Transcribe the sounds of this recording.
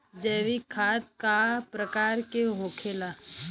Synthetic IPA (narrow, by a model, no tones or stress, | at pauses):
d͡ʒɛːʋikʰaːt̪̚kapɾəkaːɾkeɦoːkʰela